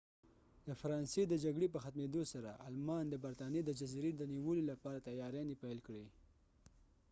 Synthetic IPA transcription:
d̪əfaɾɑnsed̪əd͡ʒaɡɽep̬əxat̪med̪osaɾaʔa̰lmɑnd̪əbaɾt̪ɑnjed̪əd͡ʒaziɾed̪əniwəlolapɑɾat̪ajɑɾjɑnipajlkɽi

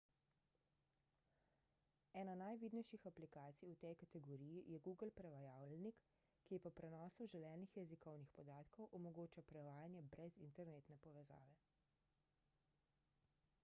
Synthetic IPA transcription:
ɛːnanajʋiːd̪nɛjʃixaplikaːt̪sijut̪ɛjkat̪ɛɡɔɾiːjijɛɡuːɡəlpɾɛʋajaːwlnikː | ipɔpɾɛnɔːsuʒɛlɛːnixjɛzikɔwnixpɔd̪aːt̪kɔwʔɔmɔɡoːt͡ʃapɾɛʋaːjanjɛbɾɛzḭnt̪ɛɾneːt̪nɛpɔʋɛza̰ːʋɛ

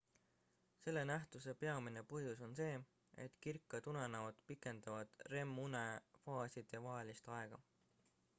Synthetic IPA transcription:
se̞lːenæht̪use̞pe̞ɑmine̞puɦjuso̞nse̞ː | e̞̰t̪ːˑkirkːˑɑt̪unɑnɑod̪pikˑːe̞nd̪̥ɑvɑd̪̥re̞mːune̞fɑːsid̪̥evɑɦelist̪ɑe̞ɡ̥ɑ

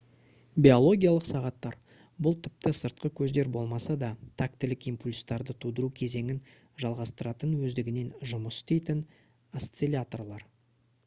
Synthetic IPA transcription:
bʲio̞lˠo̞ɡʲijalˠəqsɑʁɑt̪ːɑɾ | bʊlˠt̪ʰɪp̚t̪ɪsəɾt̪̚qəkʲʰɵzd̪e̞ɾbo̞lˠmɑsɑd̪ɑt̪ʰak̚t̪ɪlɪkijmpulʲst̪ɑɾd̪ət̪ʰud̪əɾukʲʰe̞ze̞ŋʲɪn | ʒɑlˠʁɑst̪əɾɑt̪ənwɵzd̪ɪɡʲɪne̞nʒʊməst̪ejt̪ɪn | ɐst̪selʲat̪o̞rlˠɑɾ

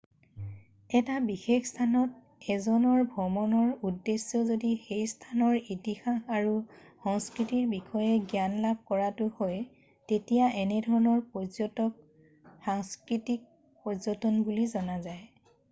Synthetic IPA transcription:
ɛtabixexstʰanɔt̚ | ɛzɔnɔɹbʱɔmɔnɔɹudːesːɔzodixejstʰanɔɹitixaxaɹu | xɔŋskɹitiɹbixɔjɛɡjanlab̚ʱkɔɹatʊhɔj | tetijaʔɛnɛdʱɔɹɔnɔɹpɔzɔtɔk̚ | xaŋskɹitik̚ | pɔzɔtɔnbulizɔnazaj

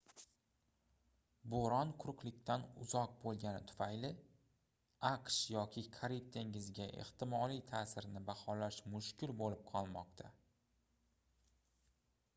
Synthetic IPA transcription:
boɾɒnqʰʊɾqlˠɪkʲt̪ʰanʊ̰zɒq̚bolˠɡʲanɪt̪ʰʊ̥fajlɪ | aqʃjɒkʲʰɪkʰaɾip̚t̪ʰeŋɪzɡʲaʔḛht̪ʰɪmɒlˠijt̪ʰaːsɪɾnɪbaχɒlaʃmʊʃkʲɪlbolɪp̚qʰɒlˠmɒqt̪ʰa

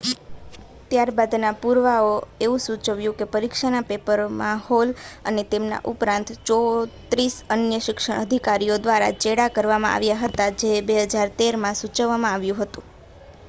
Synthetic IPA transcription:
t̪jaɾbad̪napuɾʋaoeʋũsut͡ʃəʋjũkepəɾikʃanapepəɾmahɔlənet̪emna̰ʔupɾãnt̪t͡ʃɔt̪ɾisənjəʃɪkʃəɳ̃əd̪ʱikaɾijod̪ʋaɾa̰t͡ʃeɽakəɾʋamã̰ʔa̰ʋjaɦət̪ad͡ʒebeɦəd͡ʒaɾt̪eɾmãsut͡ʃəʋːamãaʋjũɦət̪ũ

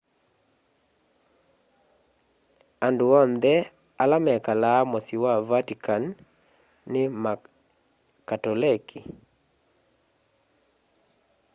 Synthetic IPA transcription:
anduɔnd̪ɛ | alamɛkalamɔsiwavatikʰanː | ɪma | katɔlɛkʰi

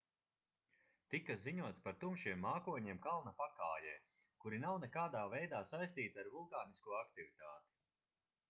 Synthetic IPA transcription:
t̪ikaziɲuɔt̪spaɾt̪umʃiɛmːaːkuɔɲiɛmkalˠnɐpakaːjɛː | kuɾinawnɛkaːd̪aːvɛjd̪aːsajst̪iːt̪aɾvulˠkaːniskuɔakt̪ivit̪aːt̪i̥

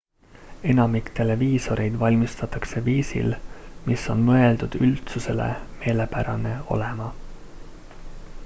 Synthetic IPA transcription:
e̞nɑmikt̪e̞le̞viːso̞ɾʔe̞jd̪̥vɑlʲmist̪ɑt̪ːˑɑkse̞viːsḭlmisːo̞nmɤe̞ld̪̥ud̪̥ylt̪suse̞le̞̰me̞ːle̞pæɾɑne̞o̞̰le̞mɑ

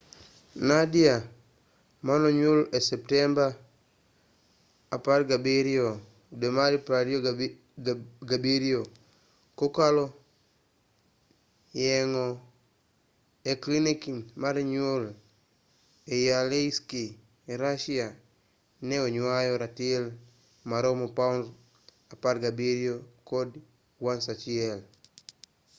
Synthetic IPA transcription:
nadia | manɔɲolesɛp̚tɛmba | paɾɡabeɾio | demaɾipaɾjo | ɡabiɾio | kokalɔ | jɛŋɔ | eklinikinmaɾɲol | ejaleiski | eɾaʃia | nɛoɲwajɔɾatiel | maɾomopaun | aparɡabeɾjokod | wansat͡ʃɪɛl

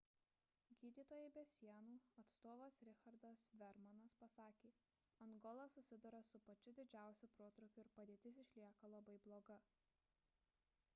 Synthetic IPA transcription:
ɡʲiːd̪ʲiːt̪oːjɛɪbʲɛsʲiɛnuːɐt̪st̪oːʋɐsɾʲɪxɐɾd̪ɐsʋʲɛɾmɐnɐspɐsɑːkʲeː | ɐŋɡɔlˠɐsʊsʲɪd̪ʊɾɐsʊpɐt͡ʃʲʊd̪ʲɪd͡ʒʲæˑʊsʲupɾuɔt̪ɾʊkʲʊɪɾpɐd̪ʲeːt̪ʲɪs̬ɪʃʲlʲiɛkɐlˠɐbɐɪblˠoːɡɐ

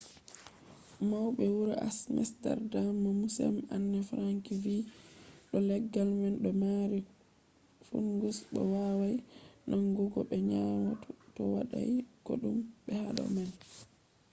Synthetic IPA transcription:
mawɓɛwuɾaʔasmɛsta̰ɾdamːamusɛ̰manːɛfɾaŋkiviɗɔlɛɡːalmanɗɔmaɾi | fṵnɡusbɔ̰wawajnʔɔŋɡuɡɔɓɛɲamatutɔwa̰ɗa̰jɡo̰ɗumɓɛhaɗɔ̰man

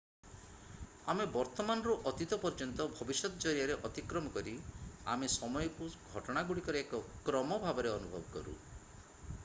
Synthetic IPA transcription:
amebɔɾt̪ɔmanɔɾuʔɔt̪it̪ɔpɔɾd͡ʒɔnt̪ɔbʱɔbisɔt̪ɔd͡ʒɔɾjaɾeʔɔt̪ikɾɔmɔkɔɾia̰mesɔmɔjɔkuɡʱɔʈɔɽ̃aɡuɽikɔɾekɔkɾɔmɔbʱabɔɾeɔnubʱɔ̰bɔkɔ̰ɾṵ

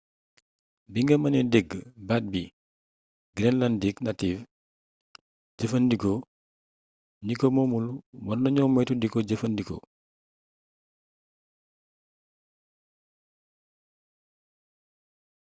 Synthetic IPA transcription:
biŋɡɐmɐnɛdɛɡbat̚bi | ɡɾɛnlandiknativ | ɟəfəndikɔ | ɲikomɔmulwɔnːɐɲɔːmɛjtudikɔɟəfɐndikɔ̰

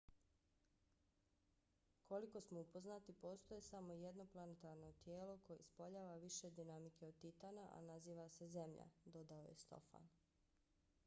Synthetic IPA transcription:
kʰo̞liko̞smoupo̞znat̪ipo̞ːst̪ojesamo̞jed̪no̞plˠanet̪aɾno̞t̪jeːlo̞ko̞jḛspoʎaːʋaʋiʃe̞d̪inamikeod̪̚t̪it̪anaʔa̰naziːʋase̞ze̞mʎa̰d̪o̞d̪aojḛst̪o̞̰fa̰n

